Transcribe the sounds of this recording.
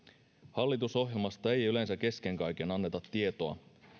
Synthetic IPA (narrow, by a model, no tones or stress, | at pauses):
hɑlːit̪uso̞ɦje̞lmɑst̪ɑe̞jyle̞nsæk̟e̞sk̟e̞ŋkɑjk̟e̞nɑnːe̞t̪ɑt̪ːie̞t̪oɑ̰